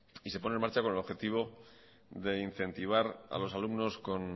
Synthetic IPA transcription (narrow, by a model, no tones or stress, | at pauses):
ise̞po̞nenmaɾt͡ʃakone̞lo̞xe̞t̪iβ̞o̞ | ðe̞in̟θe̞nt̪iβ̞aɾa̰lo̞salumno̞sko̞n